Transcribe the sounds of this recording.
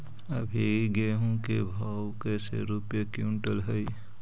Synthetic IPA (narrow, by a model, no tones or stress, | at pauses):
əbʱiɡeɦũkebʱa | wkesḛɾupjakjuɳʈəlɦəj